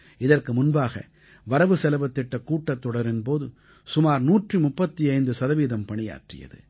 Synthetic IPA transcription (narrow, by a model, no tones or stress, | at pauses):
ɪðɐrkɯmʊnbaːɣɐ̰ | ʋɐɾɐʋɯsɛlɐʋɐt̪ːɪʈːɐkːuːʈːɐt̪ːɔɽɐɾɛnpoːðɯ | sʊmaːɾnuːʈrɯmʊpːɐt̪ːiɐɪnd̪ɯsɐðɐʋiːðɐmpɐɳɪja̰ːʈrɪ̰jɐ̰ðɯ̰